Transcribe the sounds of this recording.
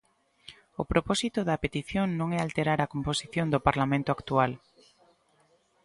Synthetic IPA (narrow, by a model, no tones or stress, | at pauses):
opɾopɔsit̪oðɐpet̪iθjoŋnõŋɛalt̪eɾaɾakomposiθjõnd̪opaɾlamẽnt̪oakt̪ual